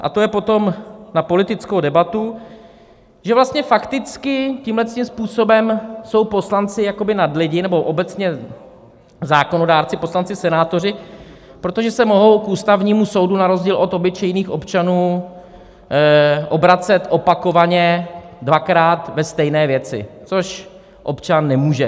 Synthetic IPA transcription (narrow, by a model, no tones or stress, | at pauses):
ʔa̰t̪o̞jɛpo̞t̪o̞mnapo̞lɪt̪ɪt͡skowdɛbat̪u | ʒɛvlast̪ɲɛfakt̪ɪt͡skɪciːmlɛt̪st̪imspuːso̞bɛmso̞wpo̞slant͡sɪjako̞bɪnadlɪɟɪnɛboʔo̞bɛt͡sɲɛ | zaːkono̞daːɾt͡sɪpo̞slant͡sɪsɛnaːt̪o̞r̝ɪ | pɾot̪o̞ʒɛsɛmo̞ɦo̞wkʔuːst̪avɲiːmuso̞wdunaɾo̞zɟiːlʔo̞t̪o̞bɪt͡ʃɛjniːxʔo̞pt͡ʃanuː | ʔo̞bɾat͡sɛt̪ʔo̞pako̞vaɲɛ | dvakɾaːt̪vɛst̪ɛjnɛːvjɛt͡sɪ̰t͡so̞ʃ | ʔo̞pt͡ʃanːɛmuːʒɛ